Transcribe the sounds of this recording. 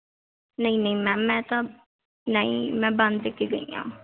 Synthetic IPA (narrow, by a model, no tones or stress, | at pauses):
nəĩːnəĩːmɛ̃ːmɛ̃ːt̪ã | nəḭ̃ːmɛ̃ːbənd̪ːekːeːɡəḭːã̰ː